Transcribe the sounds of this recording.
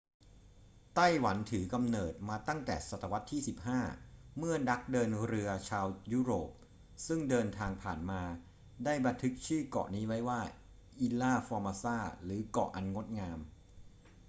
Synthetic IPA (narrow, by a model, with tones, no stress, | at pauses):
t̪a˥˩jwa˩˦nt̪ʰɯː˩˦ka˧mnɤː˨˩t̪̚maː˧t̪a˥˩ŋt̪ɛ̰ː˨˩sa˨˩t̪ʰːa˧wa˦˥t̪ʰːiː˥˩si˨˩p̚haː˥˩mɯ˥˩ɐna˦˥k̚dɤː˧nɾɯ˧ɐt͡ɕʰaː˧wjuː˦˥ɾoː˨˩p̚ | sɯ˥˩ŋdɤː˧nt̪ʰaː˧ŋpʰaː˨˩nmaː˧ | daː˥˩jba˧nt̪ʰɯ˦˥k̚t͡ɕʰɯː˥˩kɔ̰˨˩niː˦˥wa˦˥jwaː˥˩ | ʔi˧laː˥˩fɔː˧maː˧saː˥˩ɾɯː˩˦kɔ̰˨˩ʔa˧nŋo˦˥t̪̚ŋaː˧m